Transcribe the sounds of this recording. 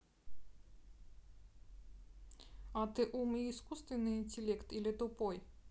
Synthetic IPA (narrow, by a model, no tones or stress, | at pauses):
at̪ɨʔumiiskust̪vʲɪnɨinʲt̪ʲɪlʲɛkt̪ilʲɛt̪opɔj